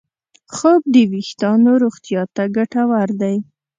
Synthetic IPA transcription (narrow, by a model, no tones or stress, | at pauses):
xɑb̚d̪əwixt̪ɑnoɾoɣt̪ijɑt̪aɡaʈawaɾd̪aj